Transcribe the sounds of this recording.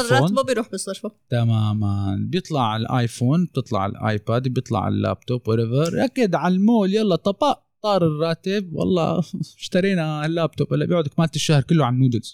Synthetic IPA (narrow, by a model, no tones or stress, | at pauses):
oɑːbabɪjɾuːħbɪsˤɑɾˤfat̪amaːmanbjɨt̪ˤlɑʕalʔajfoːnb̚t̪ɨt̪ˤlɑ̰ʕɪ̰lʔa̰ːjpaːd̪bjɨt̪ˤlɑ̰ʕa̰lːa̰ːb̚t̪obwaɾɛvɑɾˤʔakːad̪ʕalmoːljɑlˤːɑt̪ˤɑbɑʔt̪ˤɑːɾˤɪrˤːɑːt̪ɪb̚wɑ̰lˤːɑ̰ːɪʃt̪ɑɾiːnalːaːb̚t̪obʔɪlːabjiːʕʊd̪akmaːlt̪ɪʃːahɾˤkɪlːʊʕanːuːd̪ɪlz